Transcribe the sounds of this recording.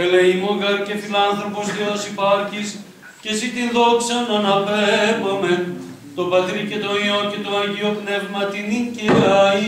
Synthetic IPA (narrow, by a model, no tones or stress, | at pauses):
eleimoɣɐɾce̞filɐnθɾo̞po̞st̪eosipɐɾçis | cesit̪inðoksɐnɐnɐpemɐmen | t̪o̞pɐt̪ɾice̞t̪oioce̞t̪oɐʝiopnevmɐt̪iniceɐi